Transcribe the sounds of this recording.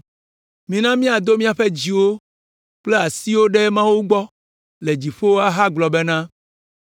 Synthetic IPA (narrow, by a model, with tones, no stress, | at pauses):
mĩ˨nã˦mĩ˦a˨d̪o˦mĩ˦a˨ɸe˦d͡ʑi˨wo˦ | k͡ple˦a˨si˦wo˦ɖe˦mã˦wu˦ɡ͡bɔ˦ | le˨d͡ʑi˨ɸo˦wo˦a˦ɦa˦ɡ͡blɔ˨be˦nã˦